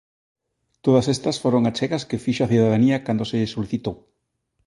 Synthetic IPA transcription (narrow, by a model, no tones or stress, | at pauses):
t̪oð̞ɐsest̪ɐsfoɾoŋat͡ʃɛɣɐskefiʃoaθuðaðaniɐkand̪oseʎesoliθit̪ow